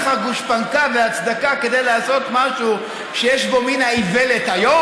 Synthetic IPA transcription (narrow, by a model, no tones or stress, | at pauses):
χaɡuʃpankaveat͡sd̪akake̞d̪ejlaːso̞t̪maʃu | ʃejeʃbo̞minaivelet̪hajo